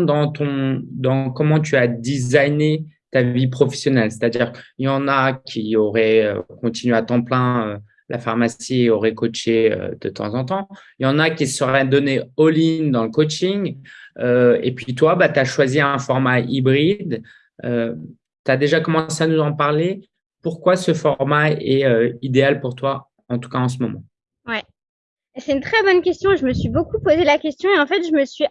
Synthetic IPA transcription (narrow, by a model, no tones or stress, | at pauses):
d̪ɑ̃t̪ɔ̃d̪ɑ̃kɔmɑ̃t̪yad̪izajnet̪avipχɔfɛ̥sjɔnɛlse̥t̪ad̪iʁjɑ̃nakʲʰiɔʁɛø̰kɔ̃t̪inɥeat̪ɑ̃plɛ̃ø | lʔa̰faʁmasiɔʁɛkot͡ʃeø̰d̪̥ət̪ɑ̰̃zɑ̃t̪ɑ̃ | jɑ̃nakʲisəʁɛd̪ɔneɔlind̪ɑ̃ləkot͡ʃiŋøḛpɥit̪wabat̪yaʃwaziɛ̃fɔʁmaibʁid̪ | ø | t̪yad̪eʒakɔmɑ̃seanuzɑ̃paʁle | puʁkwasəfɔʁmaɛ̰øid̪ealpuʁt̪wa | ɑ̃t̪u̥kaɑ̃s̬əmɔmɑ̰̃ | wɛ | esɛt̪ynt̪χɛbɔnkʲɛst̪jɔ̃eʒəməsɥibokupozelakʲɛst̪jɔ̃eɑ̃fɛt̪ʒəməsɥi